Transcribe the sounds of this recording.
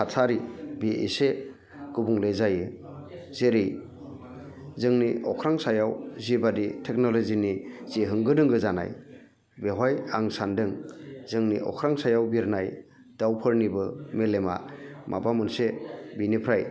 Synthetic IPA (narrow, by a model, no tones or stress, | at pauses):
kʰatʰaɾibeʔḛse | ɡ̥ubuŋlejzajɯ | z̥eɾij | zɯŋniɔkʰɾaŋsajawzibaditʰek̚nɔloziniz̥iɦɯŋɡɯdɯŋɡɯzana̰j | beɦajaŋsandɯŋzɯŋniʔɔ̰kʰɾaŋsajawbiɾnaj | d̥awpʰɯɾnibɯmelema̰mʔa̰bamɯnsebinipʰɾaj